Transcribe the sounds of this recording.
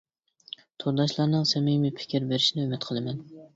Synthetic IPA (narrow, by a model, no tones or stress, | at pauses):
t̪ʰoɾd̪ɑʃlˠɑɾnɨŋsɛmijmipʰɪ̥kʲiɾbeɾɪʃinɪømɪt̪̚qʰəlˠɨmɛn